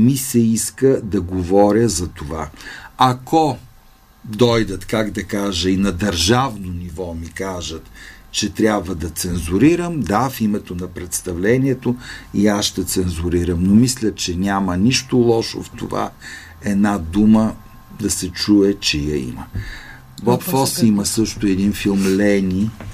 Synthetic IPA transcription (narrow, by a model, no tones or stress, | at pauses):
misɛiskəd̪ɐɡovɔɾʲəzɐt̪ovaɐkɔ | d̪ɔjd̪ət̪kaɡd̪ɐkaʒəinɐd̪əɾʒavnonivɔmikaʒət̪ | t͡ʃɛt̪ɾʲjabvəd̪ɐt̪sɛnzuɾiɾəmd̪afimɛt̪onɐpɾɛt̪st̪ɐvlɛniɛt̪oiaʃt̪ɐt̪sɛnzuɾiɾəmnomislʲət͡ʃɛnʲaməniʃt̪olˠɔʃo̰ft̪o̰va̰ | ɛd̪nad̪umə | d̪ɐsɛt͡ʃuɛt͡ʃɛjɐḭmə | bɔpfɔsiməsɤʃt̪ʊɛd̪infilˠmlɛnʲi